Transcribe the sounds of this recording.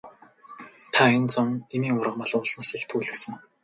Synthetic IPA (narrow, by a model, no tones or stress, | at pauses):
t̪ʰaent͡sɔnemiːŋʊrʁə̆mɔ̆ɮʊːɮnaːsixt̪ʰuːɮɘ̆ksə̆ŋ